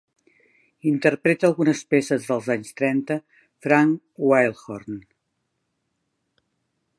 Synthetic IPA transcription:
int̪ərpɾet̪əːlˠɣunəspesəzðəlˠzaɲst̪ɾɛnt̪ə | fɾaŋ | wajlˠxoɾn

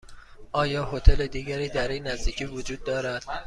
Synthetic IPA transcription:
ʔɒːjɒːho̞t̪ʰeled̪iːɟæɾiːd̪æɾinæzd̪iːcʰiːvod͡ʒuːd̪̚ːɒːɾæd̪̥

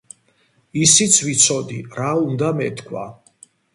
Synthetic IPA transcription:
isit̪sʰvit̪sʰɔd̪iɾaund̪amɛt̪ʰkʰwa̰

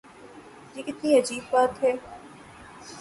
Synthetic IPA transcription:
jiːkɪt̪niɐd͡ʒiːbːaːt̪ɦɛː

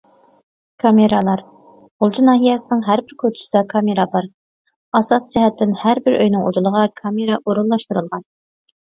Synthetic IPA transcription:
kʰɑmeɾɑlˠɑɾ | olˠd͡ʒʰinɑːɦijɛsɪnɪŋɦæɾbɪɾkʰot͡ʃʰɪ̥sɪd̪ɑkʰɑmeɾɑbɑɾ | ɑsɑsd͡ʒɛɦɛt̪ʰːɪnhæɾbɪɾʔø̰jnɨŋo̰d̪ulˠəʁɑkʰɑmeɾɑʔoɾunlˠɑʃt̪uɾɨlˠʁɑn

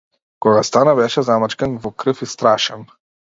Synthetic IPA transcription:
kɔɡast̪anabɛʃɛzamat͡ʃkɛnvɔkɾɤfist̪ɾaʃɛn

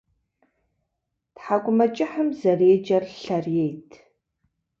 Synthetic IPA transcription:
tħakʷʼʊmɐt͡ʃʼɪħəmzɐreːd͡ʒɐrɬɐrjejtʰ

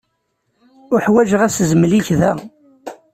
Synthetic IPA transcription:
ʊħwæʒʁæszmliçðæ

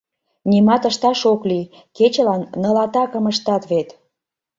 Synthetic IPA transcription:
nʲimɑt̪əʃt̪ɑʃokli | ket͡ɕəlɑnːəlɑt̪ɑkəməʃt̪ɑt̪βet̪

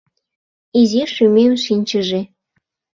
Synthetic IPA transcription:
iziʃymemʃinʲt͡ɕəʒe

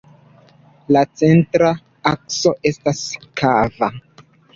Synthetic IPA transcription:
lat͡se̞ntɾa | akso̞ʔe̞staskʰava

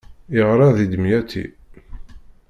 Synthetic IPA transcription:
ɪʁɾˤɑðid̪əmjæt̪ʰːḭ

